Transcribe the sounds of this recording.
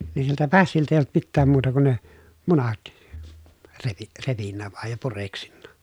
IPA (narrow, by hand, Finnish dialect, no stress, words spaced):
ni siltæ pæsːiltæ eˑij olt mitːæːm muːtɑ kun ne munɑt reʋi repinːæ ʋɑˑej jɑ pureksinːɑ